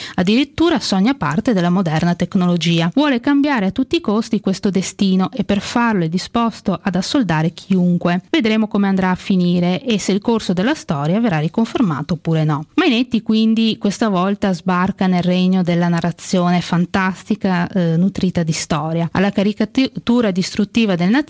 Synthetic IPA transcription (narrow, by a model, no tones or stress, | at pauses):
ad̪ːiɾit̪ːuːɾasɔɲːapa̰rt̪ed̪elːamod̪ɛrnat̪eknolod͡ʒiːavwɔːlekambjaːɾeat̪ːut̪ːiːkost̪ikwest̪od̪est̪iːnoʔepːerfarloɛd̪ːispɔst̪oʔad̪asːold̪aːɾek̟ʰiuŋkweved̪ɾeːmokomeand̪ɾaːfːiniːɾeʔesːeilkorsod̪elːast̪ɔːɾjaverːarːikoɱferma̰ːt̪opuːɾenɔmainet̪ːikwind̪ikwest̪avɔlt̪azbarkanelrɛɲːod̪elːanarːat̪sːjoːnefant̪ast̪ikanut̪ɾiːt̪ad̪ist̪ɔːɾjaa̰lːakaɾikat̪uːɾad̪ist̪ɾut̪ːiːvad̪elna